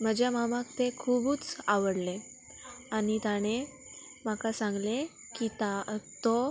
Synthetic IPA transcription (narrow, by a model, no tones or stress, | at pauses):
m̤əd͡ʑjamamak̚t̪ekʰubuːt͡saʋəɽle | anit̪aɽ̃e | m̤akasãŋɡle | kit̪at̪ɔ